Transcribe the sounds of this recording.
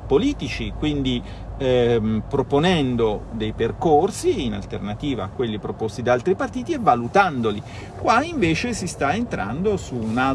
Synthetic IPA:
poliːt̪it͡ʃikwind̪i | mpɾoponɛnd̪od̪ejperkorsiːna̰lt̪ernat̪iːvaːkːwelːipɾopost̪id̪aalt̪ɾipart̪iːt̪ievːalut̪and̪oli | kwaiɱveːt͡ʃesist̪aent̪ɾʔa̰nd̪osuna

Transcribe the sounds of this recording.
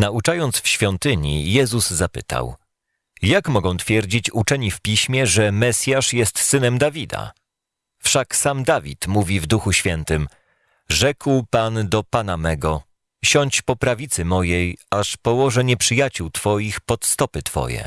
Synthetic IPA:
naut͡ʂajɔnt̪sfɕfʲjɔnt̪ɘɲijɛzuzːapɘ̰t̪a̰w | jakmɔɡɔ̃w̃t̪fʲjɛɾd͡ʑit͡ɕut͡ʂɛɲifpʲiɕmʲjɛʐɛmɛsʲjaʂjɛst̪sɘnɛmd̪avʲid̪a̰ | fʂaksamd̪avʲḭt̪muvʲivd̪uxuɕfʲjɛnt̪ɘm | ʐɛkwpand̪ɔpanamɛɡɔ | ɕɔɲt͡ɕpɔpɾavʲit̪sɘmɔjɛjaʂpɔwɔʐɛɲɛpʂɘjat͡ɕuwt̪fɔjixpɔt̪st̪ɔpɘt̪fɔ̰jɛ̰

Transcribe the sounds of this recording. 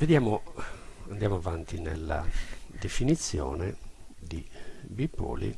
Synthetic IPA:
ved̪jaːmo | and̪jaːmoavant̪inɛ̰lːa̰d̪efinit̪sːjɔːnɛd̪ibipːɔ̰ːlḭ

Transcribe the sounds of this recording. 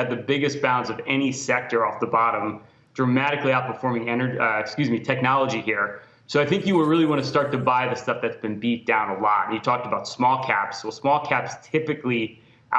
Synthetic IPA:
ɨd̪̚ðɨbɪɡɨs̚b̥ãʊ̃ndzʌvɛnisɛk̚tə˞ɔfðəbɑɾə̃m | d̥ɹɨmæɾɨkliaʊt̚pʰə˞fɔɹmɪ̃ŋɛñə˞ɪkskjʉzmitʰɛk̚nɑlˠəd͡ʒihiɹ | soʊaɪθɪ̃ŋkjɨwə˞ɹɪlˠiwɑ̃ñɨstɑɹtɨbaɪðɨstʌfðɨtsb̥ɨ̃nbit̚d̥ãʊ̃nəlɔ̰ɾ̃n̩jɨtʰɔk̚təbaʊtsmɔlˠkʰæ̰psoʊsmɔlˠkʰæpstʰɪpɨkli | ʔ

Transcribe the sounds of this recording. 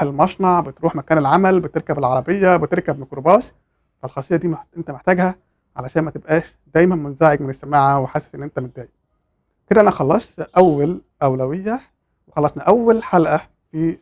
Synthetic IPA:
elmɑʃnɑʕbet̪ɾuːħmækæːnelʕamælbet̪eɾkæbelʕɑɾˤɑbejːæbet̪eɾkæbmekɾobæːs | fælxɑːsˤejːɑd̪iːmʔent̪æmeħt̪æːɡhæ | ʕa̰læʃæːnmæt̪ebʔæːʃ | d̪æːjmænmonzæːʕeɡ̚menesːæmaːʕæweħaːsæ̥sʔenːʔent̪æmend̪æːje | ked̪æʔænæxɑlːɑsˤt̪ʔæwːæl | ʔæwlæwejːæ | wexɑlːɑsˤnɑʔæwːælħalʔæ | fi

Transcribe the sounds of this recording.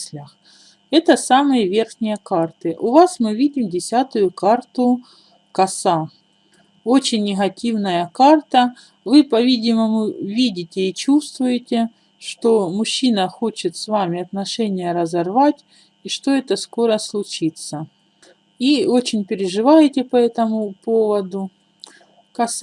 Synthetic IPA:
sʲlʲəx | ɛt̪əsamɨjəvʲe̞rxnʲɪjəkart̪ɨʔʊvasmɨvʲidʲɪmdʲɪsʲat̪ʊjʊkart̪ʊ | kɐsa | o̞t͡ɕɪnʲːɪɣɐtʲivnəjəkart̪ə | vɨpɐvʲidʲɪməmʊvʲidʲɪtʲɪit͡ɕust̪vʊjɪtʲɪ | ʂt̪o̞mʊɕːinəxot͡ɕɪt̪svamʲɪɐt̪nɐʂɛnʲɪjəɾɐzɐrvatʲ | iʂt̪o̞ɛt̪əsko̞ɾəslˠʊt͡ɕit̪sə | io̞t͡ɕɪnʲpʲɪɾʲɪʐɨvajɪtʲɪpɐɛt̪əmʊpo̞vəd̪ʊ | kɐs

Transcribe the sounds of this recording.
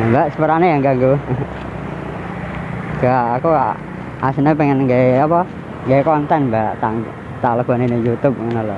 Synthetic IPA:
baʔsəpəɾanejaŋɡaŋɡu | ɡ̥aakua | asinepɛŋənŋɡaeapɔ | ŋɡaekɔnt̪ɛnmbaʔt̪aŋ | t̪aləb̥ɔ̤ninejut̪ʊp̚ŋənolɔ

